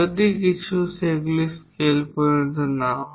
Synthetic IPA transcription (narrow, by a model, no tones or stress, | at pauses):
əd̪ikit͡ɕʰuseɡliskelpəɾd͡zəna